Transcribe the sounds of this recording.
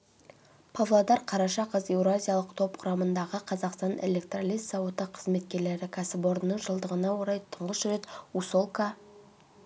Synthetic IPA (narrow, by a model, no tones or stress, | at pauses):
pʰavlˠod̪ɑɾqʰɑɾɑʃɑqəze̞wɾoazʲijalˠəqt̪ʰo̞pqʰʊɾɑmənd̪ɑʁəqʰɑzɑqst̪ɑne̞̰le̞k̚t̪ralʲijsɑwot̪əqʰːəzme̞t̪kʲe̞ɾle̞ɾɪkʲʰæsɪpo̞ɾənːəɴʒəlˠd̪əʁənɑwoɾɑjt̪ʰəɴʁəsʒɾe̞t̪usolˠkɑ